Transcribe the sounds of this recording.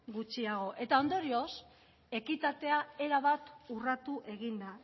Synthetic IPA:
ɡut͡ʃiaɣ̞o̞ʔe̞t̪ao̞nd̪o̞ɾio̞s | e̞kit̪at̪e̞ae̞ɾaβat̪urat̪uʔe̞ɣ̞ind̪a

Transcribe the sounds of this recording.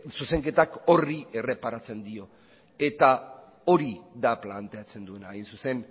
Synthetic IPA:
suseŋke̞t̪ako̞rie̞re̞paɾat͡se̞nd̪io̞ | e̞t̪a | o̞ɾiðaplant̪e̞at͡se̞nd̪ue̞najnsuse̞n

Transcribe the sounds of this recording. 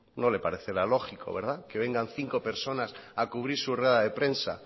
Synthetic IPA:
no̞le̞paɾeθeɾalo̞xiko̞̰βe̞ɾðake̞β̞e̞ŋɡanθiŋko̞pe̞ɾso̞nasakuβɾiɾsureðaðe̞pɾe̞nsa̰

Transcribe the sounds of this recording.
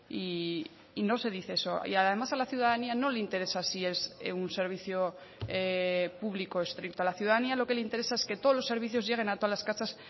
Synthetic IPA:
iː | no̞se̞ð̞iθe̞eso̞ḭaðe̞masalaθjuðaðaniano̞leint̪e̞ɾe̞sasie̞sunse̞ɾβ̞iθjo | epuβliko̞est̪ɾikt̪oalaθjuðaðanialo̞ke̞leint̪e̞ɾe̞sae̞ske̞t̪olo̞sːe̞ɾβiθjo̞zʝe̞ɣ̞e̞nat̪o̞alaskasas

